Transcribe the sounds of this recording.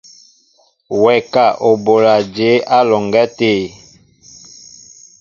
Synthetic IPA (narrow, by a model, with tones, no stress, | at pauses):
wɛ˨ka˦˨ʔo˨bo˨la˨d͡ʒe˨˦a˦lɔ˨ŋɡɛ˦teː˦˨